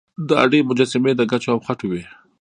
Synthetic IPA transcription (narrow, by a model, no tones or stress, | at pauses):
d̪əa̰ɖemʊd͡ʒasɪmed̪əɡat͡ʃoawxaʈuwe